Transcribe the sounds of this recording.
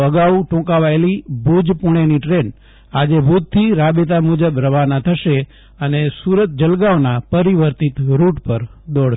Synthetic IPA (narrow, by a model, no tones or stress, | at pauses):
əɡaʋʈũkaʋaelibʱud͡ʒpuɽ̃eniʈɾen | ad͡ʒebʱud̪̚t̪ʰiɾabet̪̬amud͡ʒəbɾəʋanat̪ʰəʃe | ənesuɾət̪̚d͡ʒəlɡaonapəɾiʋəɾt̪it̪ɾuʈpəɾd̪oɽ